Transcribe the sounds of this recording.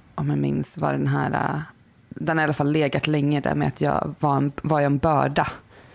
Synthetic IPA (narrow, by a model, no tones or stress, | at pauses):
ʔɔmjamɪnsva̰ɖɛnɦæ̰ːɾa̰ | d̪ɛnhaɾalːafalːeːɡat̪lɛŋːəd̪æ̰ɾmɛ̰at̪ʰjɑ̰ːvaɾɛnvaɾjɛnbœːɖa